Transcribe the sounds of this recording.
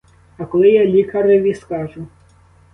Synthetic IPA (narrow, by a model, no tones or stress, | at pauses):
ɐkɔlˠɪjalʲikɐɾɪʋʲiskɑʒʊ